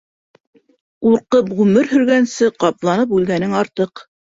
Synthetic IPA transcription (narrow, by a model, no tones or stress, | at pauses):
uɾqɤpʁʉmɘɾhɵ̆ɾɡænsɘqɑplˠɑnɤp̬ʉlɡænɘŋɑɾt̪ɤq